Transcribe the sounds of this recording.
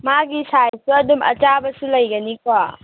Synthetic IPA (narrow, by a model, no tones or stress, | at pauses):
maɡisajsuɐdumɐ̰t͡ʃabɐsulɐjɡɐnikwa